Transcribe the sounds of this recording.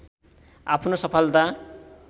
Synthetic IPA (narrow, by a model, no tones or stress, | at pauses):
apʰnosʌpʰʌlt̪a